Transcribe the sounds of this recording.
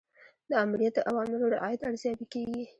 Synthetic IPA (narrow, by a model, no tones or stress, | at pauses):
d̪əamɾijat̪̚d̪əʔawɑmɪloɾaʔɑjad̪aɽzjɑbikeɡi